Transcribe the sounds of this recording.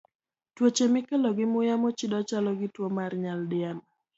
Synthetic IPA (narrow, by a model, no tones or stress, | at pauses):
twot͡ʃemɪkeloɡɪmʊjamot͡ʃɪdɔt͡ʃalɔɡɪtwomarɲaldɪan